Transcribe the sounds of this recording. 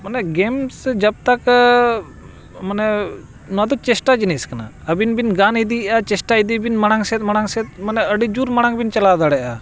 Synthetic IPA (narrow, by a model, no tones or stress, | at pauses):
manɛɡɛmsd͡ʒəb̚t̪ak | manɛ | nad̪ɔt͡ʃɛsʈad͡ʒiniskana̰ | əbinbinɡanid̪iʔat͡ʃɛsʈaid̪ibinmaɽ̃aŋsɛt̪̚maɽ̃aŋsɛt̪̚manɛəɖid͡ʒuɾmaɽ̃aŋbint͡ʃɐlad̪aɽɛʔa